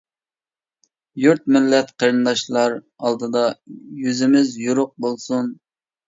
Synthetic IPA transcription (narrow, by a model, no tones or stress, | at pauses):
juɾt̪̚mɪlːɛt̪qʰəɾɨnd̪ɑʃlˠɑɾ | ɑlˠd̪ɨd̪ɑjyzɪmɪzjuɾʊq̚bolˠsun